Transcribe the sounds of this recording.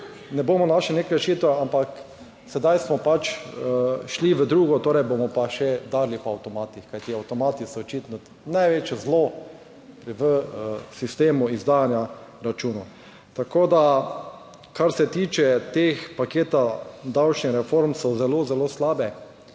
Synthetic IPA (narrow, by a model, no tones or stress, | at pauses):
nɛboːmɔnaʃlinekɾɛʃiːt̪ʋɛampak | sɛd̪ajsmɔpat͡ʃ | ʃliʋəd̪ɾuːɡɔt̪oːɾɛjbomɔpaʃɛd̪aːɾlipɔawt̪ɔmaːt̪ixkajt̪iawt̪ɔmaːt̪isɔɔt͡ʃit̪nɔ | najʋeːt͡ʃjɛzlo | pʋəsist̪eːmuizd̪aːjanjaɾat͡ʃuːnɔ | t̪akoːd̪a | kaɾsɛt̪iːt͡ʃɛt̪expakeːt̪ad̪awt͡ʃnixɾɛfoɾmsɔzɛlozɛloslaːbɛ